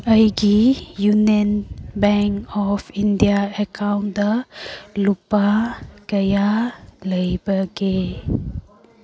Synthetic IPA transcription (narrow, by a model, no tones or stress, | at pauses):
əjɡijunənbɛŋkɔfindiaəkʰawndəlupaɡəjaləjbəɡe